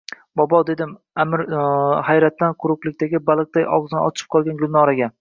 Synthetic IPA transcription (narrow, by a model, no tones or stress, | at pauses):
bɒbɒd̪e̞d̪ɪm | amɪɾhajɾat̪ːanqʰʊɾʊqlˠɪkʲt̪ʰaɡʲɪbalˠɨq̚t̪ajʔɒ̰ʁzɪnɪ̰ɒ̰t͡ʃʰɪ̥p̚qʰɒlˠɡʲanɡʲʊlˠnɒɾaɡʲa